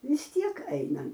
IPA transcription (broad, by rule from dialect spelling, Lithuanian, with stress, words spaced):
ʋʲɪs ˈtʲiɛk ˈɐɪnɐ